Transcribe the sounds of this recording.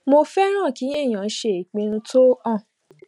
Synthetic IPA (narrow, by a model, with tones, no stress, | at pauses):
mo˧fɛ˦ɾ̃ã˦˨ki˨˦e˦˨j̃ã˨n̩˦ʃe˧˦i˨k͡pĩ˧ɾ̃ũ˧to˦ɔ̃˦˨